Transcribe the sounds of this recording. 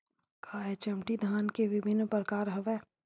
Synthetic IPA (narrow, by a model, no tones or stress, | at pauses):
kaːɦɛt͡ʃɐmʈid̪ʱaːnkeʋɪbʱɪnːpɾəkaːɾɦɐʋɛː